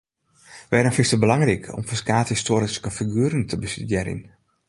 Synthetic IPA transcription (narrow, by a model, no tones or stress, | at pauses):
ʋɛdənfɪstəbəlaŋrikʰɔ̰mfəskaːtəstoɾəskəfiɡyəɾəntʰəbəsydjɛɾḭn